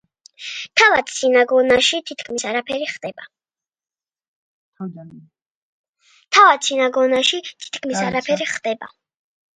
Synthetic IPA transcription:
t̪ʰavad̪sinaɡɔnaʃit̪ʰit̪kʰmisaɾapʰɛɾiχd̪ɛba | t̪ʰavad̪sinaɡɔnaʃit̪ʰi̥t̪kʰmisaɾapʰɛɾiχd̪ɛba̰

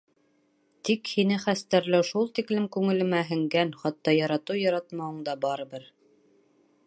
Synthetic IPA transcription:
t̪ikhinɘχæst̪æɾlæwʃulˠt̪iklɘmkʉŋɘ̆lɘ̆mæɦɘ̆ŋɡænχɑt̪ːɑjɑɾɑt̪ɤjɑɾɑt̪mɑwɤ̆ɴd̪ɑbɑɾɤ̆bɘɾ

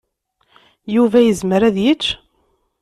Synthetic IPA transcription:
juvæjəzməɾæðjət͡ʃː

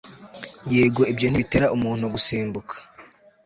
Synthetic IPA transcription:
jeːɡo̞ibjo̞n̥iβite̞ɾaʔumuːn̥huɡusiːmbukʰḁ

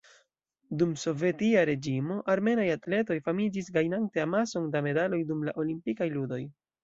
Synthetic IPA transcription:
dumso̞ve̞tiaɾe̞d͡ʒimo̞ʔaɾme̞najatle̞to̞jfamid͡ʒis̬ɡajnante̞amaso̞ndame̞dalo̞jdumlaʔo̞limpikajludo̞j

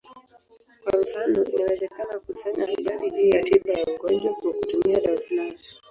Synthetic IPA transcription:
kwaɱfanɔinawɛzɛkanakusaɲahiɗalid͡ʒijatiɓajauɡɔnd͡ʒwakakutumiaɗaufulani

